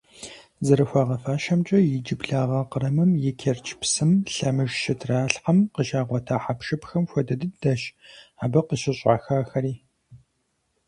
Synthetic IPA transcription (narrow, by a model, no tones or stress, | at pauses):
zɐɾɨxʷɑːʁɐfaːʃɐmt͡ʃʼɐjɪd͡ʒɪbɮaːʁɐqəɾɐmɨmjɛkʰɛrt͡ʃʰpsɨmɬɐmɨʒʃɪtʰraːɬħɐmqəʃaːʁʷɔtʰaːħapʃɨpxɐmxʷɔdɐdɨdɐɕaːbɐqəɕɪɕʼa̰ːxaːxɐɾiː